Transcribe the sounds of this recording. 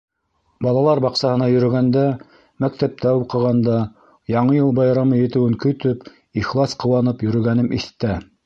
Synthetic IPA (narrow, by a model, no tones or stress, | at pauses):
bɑlˠɑlˠɑɾbɑqsɑhɤ̆nɑjɵ̆ɾɵ̆ɡænd̪æ | mæk̚t̪æp̚t̪æuqɤ̆ʁɑnd̪ɑ | jɑɴɤjɤlˠbɑjɾɑmɤjɘ̆t̪ɘ̆wɘŋkɵ̆t̪ɵp | iχlˠɑsqɤ̆wɑnɤpjɵ̆ɾɵ̆ɡænɘmʔiθt̪æ